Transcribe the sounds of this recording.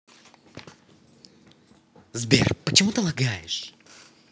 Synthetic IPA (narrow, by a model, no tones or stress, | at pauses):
zbʲḛrpət͡ɕɪmut̪əlˠaɡajɪʂ